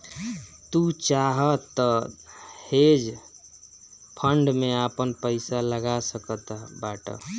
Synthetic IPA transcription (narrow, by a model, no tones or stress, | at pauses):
t̪ut͡ʃaɦət̪ːə | hed͡ʒ | pʰəɳɖmeapənpəɪsaləɡasəkət̪baʈə̰